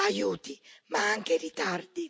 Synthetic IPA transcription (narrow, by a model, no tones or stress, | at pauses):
ajuːt̪imaaŋkerit̪ard̪i